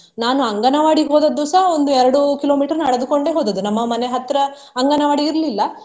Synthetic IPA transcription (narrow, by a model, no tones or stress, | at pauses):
naːnuɐŋɡɐnɐʋaːɽiɦoːd̪ɐd̪ːusɐɦɐo̞nd̪uɛɾɐɽukilo̞ːmiːʈɐɾɐnɐɽɐd̪uko̞ɳɖeːɦoːd̪ɐd̪unɐmːɐmɐneɦɐt̪ːɾɐ | ɐŋɡɐnɐʋaːɽiːɾlilːɐ